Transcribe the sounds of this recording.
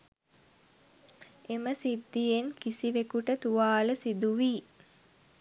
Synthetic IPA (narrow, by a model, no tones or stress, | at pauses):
eməsid̪ːijenkisiʋekuʈət̪uʋaːləsid̪uʋiː